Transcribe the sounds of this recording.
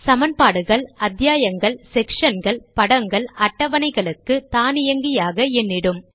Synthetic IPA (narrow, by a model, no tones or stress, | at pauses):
sɐmɐnpaːɽɯɣɐɭɐd̪jaːjɐŋɡɐɭsɛkʂɐnɡɐɭpɐɽɐŋɡɐɭɐʈːɐʋɐnɐɪɣɐɭɯkːɯt̪aːnɪjɐŋɡɪjaːɣɐɛnːɪɽɯm